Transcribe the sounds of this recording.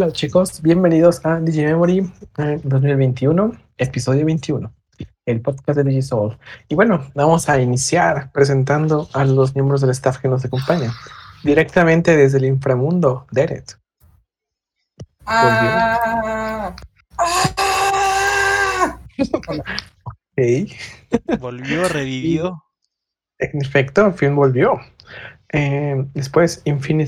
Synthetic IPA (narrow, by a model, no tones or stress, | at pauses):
lot͡ʃiko̞sbje̞mbe̞niðo̞sad̪iʝimemoɾid̪o̞z̬milβejnt̪iuno̞ | episo̞ðjo̞βejnt̪iuno̞ | elpoðkas̬d̪ed̪id͡ʒisoliβwe̞no̞bamo̞sainisjaɾpɾe̞s̬e̞nt̪̬and̪o̞alozmje̞mbɾo̞zð̞e̞lest̪afkeno̞s̬ako̞mpaɲad̪iɾe̞k̚t̪amẽ̞nt̪e̞ðe̞zðeliɱfɾamũnd̪od̪eɾḛt̪ | bolβjo | a | okej | bolβjoreβiβio | enefekt̪ofilbo̞lβjo̞ | ed̪espwe̞siɱfini